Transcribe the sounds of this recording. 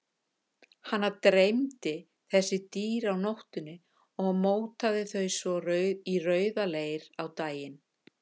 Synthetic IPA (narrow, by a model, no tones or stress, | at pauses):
hanːaɾt̪ɾejmt̪ɪ | θɛsːɪt̪iːɾawnowht̪ʏnʏ | ɔɣmoːwt̪aðɪθœɥsvɔrœɥirœːɥðalejɾawt̪aːjɪn